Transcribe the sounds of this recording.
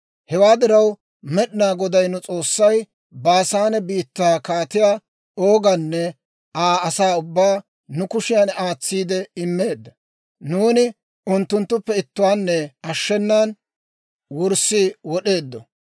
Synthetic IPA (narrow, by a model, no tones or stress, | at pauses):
hɛwaːd̪ɪɾɐw | mɛɗɪnaːɡɔd̪ɐjnʊt͡sʼo̞ːsːɐj | baːsaːnɛbiːt̪ːaːkaːt̪ɪjaː | oːɡɐnːɛ | aːɐsaːʊbːaː | nʊkʊʃɪjanaːt͡sːiːd̪ɛɪmːe̞ːd̪ːɐ | nuːnɪ | ʊnt̪ːʊnt̪ːʊpːɛɪt̪ːʊwaːnːɛɐʃːɛnːaːn | wʊɾsːiwɔɗe̞ːd̪ːɔ